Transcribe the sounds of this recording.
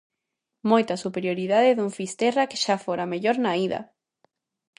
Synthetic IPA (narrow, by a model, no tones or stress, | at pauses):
mojt̪ɐsupeɾjoɾiðaðeðuŋfist̪erake̥ʃafoɾameʎoɾnaiðɐ̰